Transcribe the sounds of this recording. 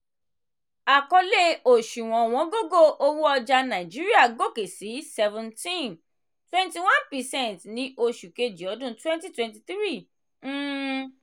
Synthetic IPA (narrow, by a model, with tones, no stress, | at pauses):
a˨kɔ˧le˦o˨ʃu˨w̃ɔ̃˨w̃ɔ̃˨˧˦ɡo˦ɡo˦ʔo˦wu˦ɔ˧d͡ʒa˧nã˨d͡ʒi˦ɾi˦a˦˨ɡo˦˨ke˨si˨˦sɛ˧vɛ̃˨ntĩ˦n | twɛ̃˦nti˧wã˦npɛ˨sɛ̃˦˨ntnĩ˨˦ʔo˧ʃu˨ke˧d͡ʒi˨ɔ˨˦dũ˦twɛ̃˦nti˦twɛ̃˧nti˧t̪ɾĩ˦˨˦